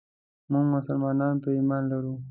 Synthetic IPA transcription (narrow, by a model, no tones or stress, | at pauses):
muɡmʊsalmɑnɑnpəimanlaɾu